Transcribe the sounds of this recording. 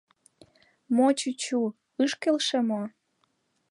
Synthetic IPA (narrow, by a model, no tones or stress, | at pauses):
mot͡ɕut͡ɕu | ɯʃkelʃemo